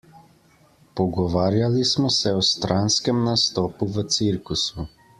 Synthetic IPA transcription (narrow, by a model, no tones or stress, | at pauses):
pɔɡɔʋaːɾjalismɔsɛɔst̪ɾʔanskɛmnast̪ɔːpuʋət̪siɾkusu